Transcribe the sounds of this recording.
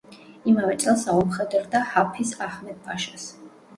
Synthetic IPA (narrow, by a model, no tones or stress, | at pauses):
imavɛt̪sʼɛlˠsaɔmχɛd̪ɾd̪ahapʰisaχmɛt̪̚baʃas